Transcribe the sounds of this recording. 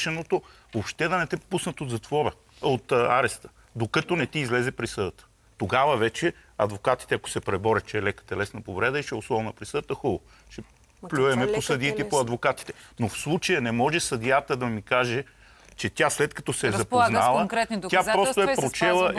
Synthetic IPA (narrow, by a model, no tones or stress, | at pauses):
ʃɛnot̪o | vopʃt̪ɛd̪ɐnɛt̪ɛpusnət̪od̪zɐt̪vɔɾə | ot̪aɾɛst̪ə̥ | d̪okət̪onɛt̪iːzlɛzɛpɾisəd̪ət̪ə̥ | t̪oɡavəvɛt͡ʃɛ | ɐd̪vokat̪i̥t̪ɛɐko̥sɛpɾɛbɔɾʲət͡ʃɛːlɛkə̥t̪ɛlɛsnəpovɾɛd̪əit͡ʃɛoslˠɔvnəpɾisɤd̪ət̪əxulˠo | t͡ʃɛ | plʲujɛmɛposɐd̪iːt̪ɛipoɐd̪vokat̪i̥t̪ɛ̥nofslˠut͡ʃəjənɛmɔʒɛsɐd̪ijat̪əd̪ɐmikaʒɛ | t͡ʃɛt̪ʲjaslɛt̪kɐt̪ɔsɛːzɐponalˠəɾɛt̪ʲapɾɔst̪oɛpɾot͡ʃɛlˠə